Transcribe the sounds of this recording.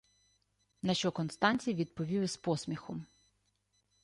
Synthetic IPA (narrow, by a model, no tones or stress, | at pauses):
nɐʃt͡ʃɔkɔnst̪ɑnʲt͡sʲijɐʋʲid̪̚pɔʋʲiʋɪspɔsmʲixɔm